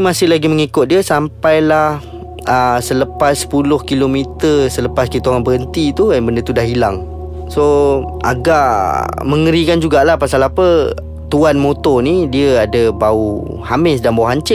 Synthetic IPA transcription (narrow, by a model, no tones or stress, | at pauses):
masɪhlaɡiməŋikʊt̪̚diəsampajlah | əsələpasːə̥pulʊhkilomit̪əsələpaskit̪uaŋanbəɦənt̪it̪uanbəndət̪udahilaŋ | so | a̰ɡaʔməŋəɾikand͡ʒuɡaʔlahpasalapə | t̪uanmot̪ɔnidiəadəbau | hamɪs̬danbauɦaɲt͡ʃɪ